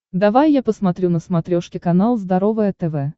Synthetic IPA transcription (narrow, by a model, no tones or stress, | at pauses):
d̪avajːapəsmɐt̪ɾʲunəsmɐt̪ɾʲoʂkʲɪkɐnalˠzd̪ɐɾovɨjət̪ɛvɛ